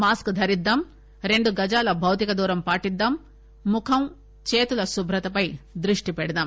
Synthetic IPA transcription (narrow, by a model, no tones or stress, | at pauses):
maːskd̪ʱɐɾid̪ːɐm | ɾe̞ɳɖuɡɐd͡ʒaːlɐbʱɐwt̪ikɐd̪uːɾɐmpaːʈid̪ːamː | ukʰɐm | t͡ʃeːt̪ulɐsubʱɾɐt̪ɐpɐjd̪ɾiʂʈipɛɽɐd̪ɐm